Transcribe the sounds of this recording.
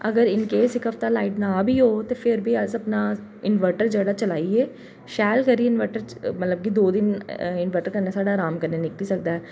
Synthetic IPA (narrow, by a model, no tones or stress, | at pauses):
əɡəɾɪnkeːsɪkɦəft̪aːlaːɪʈnaːbʱiːɦoːt̪eːpʰɪɾbʱiːəzəpnaːɪnʋəɾʈəɾd͡ʒəːɽaːt͡ʃəlaːieː | ʃɛːlkəɾiːɪnʋəɾʈəɾmət̪ləb̚kiːd̪oːd̪ɪnɪnʋəʈəɾkəɾneːsaːɽaːɾaːmkəɾneːnɪkliːsək̚d̪aːɛː